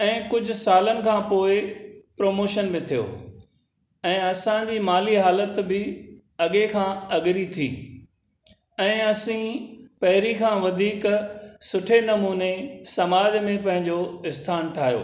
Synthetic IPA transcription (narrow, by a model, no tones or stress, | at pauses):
ɛ̃ːkʊd͡ʑʱʊ̆saːlənɪ̆kʰãːpoːɪpɾoːmoːʃənmẽt̪ʰijo̰ː | ɛ̃ːɐsãd͡ʑiːmaːliɦaːlət̪bɪ | ɐɠekʰãːɐɠɪɾit̪ʰiː | ɛ̃ːɐsĩpɐɦɪɾikʰãːʋɐd̪ʱiːksʊʈʰenɐmuːnesɐmaːd͡ʑmẽpɐ̃ɦɪ̃ɲd͡ʑoɪst̪ʰaːnʈʰaːɦijo̰ː